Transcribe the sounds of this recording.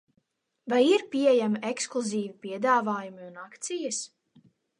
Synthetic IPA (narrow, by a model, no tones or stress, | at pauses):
vajiɾpʲiɛjamiʔeksklˠuziːvipʲiɛd̪aːvaːjumiunakt̪sijas